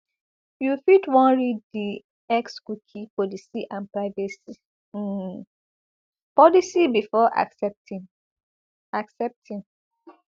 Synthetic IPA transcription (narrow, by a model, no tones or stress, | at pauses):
jufitwɔ̃nɹiddi | ɛkskukʰipɔlisiʔãnpɹaɪvɛsi | pɔlisibifɔʔa̰ksɛp̚tʰĩn | aksɛp̚tʰĩn